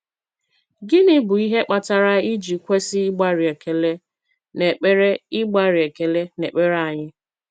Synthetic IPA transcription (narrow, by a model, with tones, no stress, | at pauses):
ɡɪ˦nɪ˦bʊ˨i˦ɦe˦k͡pa˨ta˨ɾa˦i˦d͡ʒi˨kʷe˦sɪ˦ɪ˦ɡ͡ba˦ɾɪ˨e˨ke˨le˦ | ne˨k͡pe˦ɾe˦ɪ˦ɡ͡ba˦ɾɪ˨e˨ke˨le˦ne˨k͡pe˦ɾa˨ɲɪ˦